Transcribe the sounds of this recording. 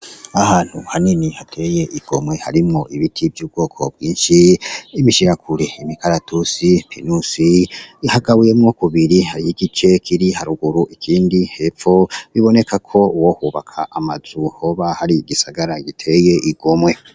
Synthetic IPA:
ahaːn̥huhaninihatʰe̞je̞ʔiɡ̥o̞mwe̞ha̰ɾimŋo̞ʔiβitʰivjuːb̚ɡo̞ːkʰo̞̰b̚ɡiːnʃiːmiʃiɾakʰuɾe̞imikaɾatʰusipʰinusihaɡaβuje̞mŋokuβiɾihaɾijiɡit͡ʃe̞kʰiɾihaɾuɡuɾuʔikʰiːndihe̞ːfo̞βiβo̞ne̞kʰakʰo̞wohuːβakʰa̰ʔamaz̥uhoβahaɾiɡisaɡaɾaɡitʰe̞ːje̞ʔiɡ̥o̞mwe̞

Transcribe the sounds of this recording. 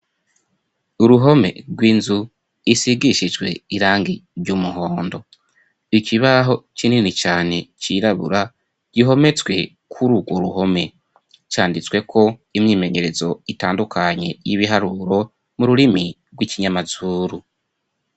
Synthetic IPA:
uɾuɦo̞me̞̰ɾɡwiːnzu | isiɡiʃid͡ʒwe̞̰iɾaːŋɡiɾɟuːmuɦo̞ːndo̞ | iciβaɦo̞cininit͡ʃaːne̞t͡ʃiːɾaβṵɾa | ɟ̥iɦo̞me̞t͡swe̞ | kʰuɾuɡwoɾuɦo̞me̞ | t͡ʃaːndit͡swe̞kʰo̞imɲiːme̞ɲe̞ɾe̞zo̞itaːndukʰaɲe̞̰jiβiɦaɾuːɾo̞ | muɾuɾimi | ɾɡwiciɲamazuːɾu

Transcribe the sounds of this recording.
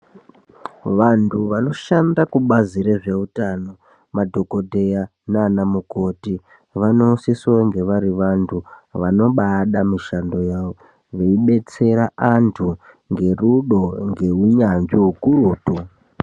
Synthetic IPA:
ʋantʰuʋano̞ʃandakuɓaziɾeʐe̞utano̞ | madʱo̞ko̞dʱea | naːnamuko̞ti | ʋano̞usisaŋɡe̞ʋaɾiʋantʰuʋano̞ɓaɗamiʃando̞jao | ʋeiɓe̞t͡se̞ɾaʔantʰu | ŋɡe̞ruɗo̞ŋɡe̞uɲand͡ʒiukuɾuːtu

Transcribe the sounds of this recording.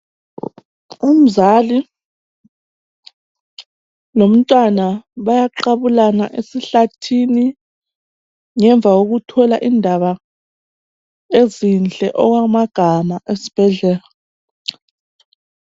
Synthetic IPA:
um̩zali | lom̩tʼwanaβajaǃaβulanaʔesiɬatʰini | ŋɛɱb̪vʱaɣoɣutʰɔla̰ʔindʱaβa | ezinɬʼɛ̰ʔɔɣwamaɡ̥ʱamaʔesi̥b̥ʱɛɮɛːla

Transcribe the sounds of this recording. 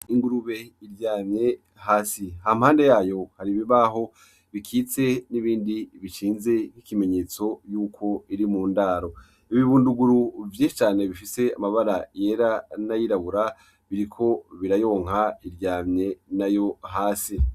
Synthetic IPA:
iŋɡuɾuβe̞iɾɟaːmɲe̞ | ɦaːsiham̥haːnde̞jaːjo̞haɾiβiβaɦo̞ | βikʰiːt͡seniβiːndiβit͡ʃiːnze̞mhikime̞ɲe̞ːt͡so̞juːkʰo̞iɾimuːndaːɾo̞ | iβiβuːnduɡuɾuvjeʃit͡ʃaːne̞βifise̞amaβaɾajeɾanajiɾaβuɾa | βiɾikʰo̞βiɾajo̞ːŋ̥haiɾɟaːmɲe̞najo̞ɦaːsi

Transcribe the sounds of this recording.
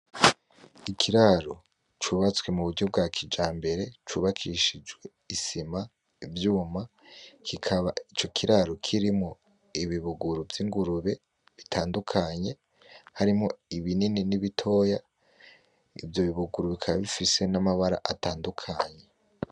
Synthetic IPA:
ikʰiɾaɾo | t͡ʃuːβat͡swe̞muβuɟɟob̚ɡakʰid͡ʒaːmbe̞ɾe̞t͡ʃuβakʰiʃid͡ʒɡwe̞ | isima | vjuːma | kʰikʰaβait͡ʃo̞kʰiɾaɾokʰiɾimŋo̞ | iβiβuɡuɾuvjiŋɡuɾuβe̞ | βitʰaːndukʰaɲe̞ | haɾimŋo̞iβinininiβitʰo̞ːja | ḭvjo̞βiβuɡuɾuβikʰaβaβifise̞namaβaɾa̰ʔataːndukʰaːɲe̞

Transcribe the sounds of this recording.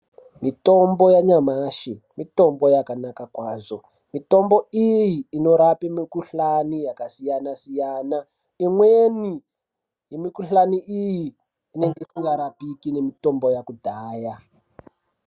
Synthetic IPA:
mito̞mbo̞jaɲamaʃi | mito̞mbo̞jakanakakwaːzo̞ | mito̞mbo̞ijiːno̞ɾapemikuɬanijakasijanasijaːna | imweni | jemikuɬaniʔijiː | ne̞ŋɡeisiŋɡaɾapikine̞mito̞mbo̞jakudʱaːja

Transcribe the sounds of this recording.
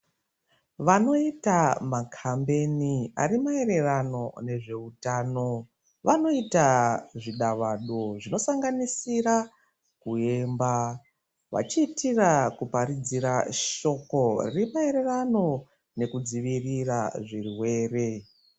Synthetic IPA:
ʋano̞itamakʰambe̞nia̰ɾimae̞ɾe̞rano̞ne̞ʐe̞utaːno̞ | ʋano̞itaʐiɗaʋaɗo̞ʐino̞saŋɡanisira | kue̞mba | ʋa̰t͡ʃiːtirakupaɾid͡ziɾaʃo̞ko̞rḭrimae̞ɾe̞rano̞ | ne̞kud͡ziʋiriraʐirwe̞ːre̞

